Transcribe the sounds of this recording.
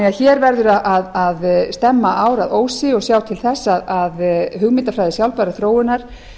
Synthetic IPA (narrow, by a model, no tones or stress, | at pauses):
ɛaðçɛːɾvɛɾðʏɾaʔaðaðst̪ɛmːaʔaːwɾaðoːwsɪɔɣsjaːwt̪ʰɪlθɛsːaðaðɦʏɣmɪnt̪afɾajðɪsjawlpaɾaθɾoːwɪnaɾ̥